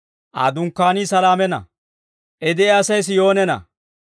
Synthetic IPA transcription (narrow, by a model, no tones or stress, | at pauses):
ʔa̰ːd̪ʊŋkːaːniːsɐlaːmɛnɐ̰ | ʔɛd̪ɛːɐsɐjs̬ɪjo̞ːnɛnɐ̰